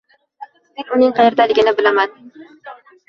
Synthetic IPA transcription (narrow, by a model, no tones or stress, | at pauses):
menʊnɪŋqʰɑjeɾd̪alɪɡʲɪnɪbɪlaman